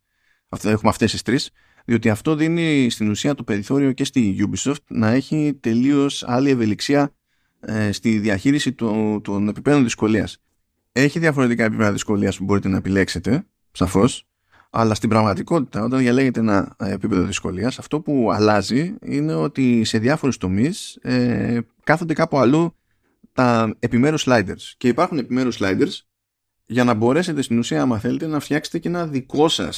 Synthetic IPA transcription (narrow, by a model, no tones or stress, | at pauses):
ɐe̞xumeɐft̪e̞st̪ist̪ɾis | ðio̞t̪iɐft̪o̞ðinist̪inusiɐt̪ope̞ɾiθo̞ɾio̞ce̞st̪iʝubiso̞ft̪nɐe̞çit̪e̞lio̞sɐ̰lie̞ve̞liksiɐ | st̪iðiɐçiɾisit̪ot̪one̞pipeðo̞nðisko̞liɐs | e̞çiðjɐfo̞ɾe̞t̪ikɐe̞pipeðɐðisko̞liɐspubo̞ɾit̪e̞nɐe̞pile̞kse̞t̪e̞ | sɐfo̞s | ɐ̰lɐst̪imbɾɐɣmɐt̪iko̞t̪i̥t̪ɐo̞t̪ɐnðʝɐle̞ʝe̞t̪eenɐepipe̞ðo̞ðisko̞̰liɐsɐft̪o̞puɐ̰lɐziine̞o̞t̪ise̞ðʝɐfo̞ɾust̪o̞mise | kɐθond̪e̞kɐpuɐlu | t̪ɐe̞pime̞ɾuslɐjd̪e̞ɾsce̞ipɐɾxune̞pime̞ɾuzlɐjd̪eɾs | ʝɐnɐbo̞ɾe̞se̞t̪e̞st̪inusiɐɐmɐθe̞le̞t̪e̞nɐft̪çɐkset̪ece̞nɐðiko̞sɐ̰s